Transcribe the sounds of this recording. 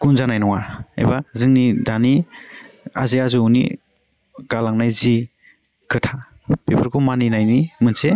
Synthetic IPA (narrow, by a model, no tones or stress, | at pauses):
ɡ̥unzanajnɔŋaḛjbazɯŋnidani | a̰zeazɯwnḭ | ɡ̥alaŋnajzi | kʰɯtʰa | pepʰɯɾkʰumaninajnimɯnse